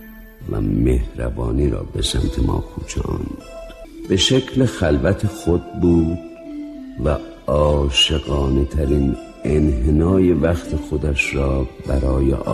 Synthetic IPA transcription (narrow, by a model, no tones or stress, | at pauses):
væ̰mehɾæ̰vɒːniːɾɒ̰ːbe̞sæmt̪ʰemɒ̰ːkʰuːt͡ʃʰɑ̰nd̪b̥e̞ʃekʰlexælvæt̪ʰexod̪̚buːd̪ | væ | ɒːʃe̞ɣɒːnet̪ʰæɾiːn | enɦenɒːje̞væxt̪ʰexod̪æʃɾɒːbæɾɒːjḛ